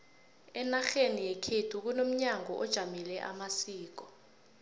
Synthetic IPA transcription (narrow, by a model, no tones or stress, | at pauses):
ɛnaxenijɛkʰed̥ʰʱuk̬unom̩ɲaŋʱɔ̰ʔɔd̥ʒ̥ʱamilɛʔa̰masiːk̬ɔ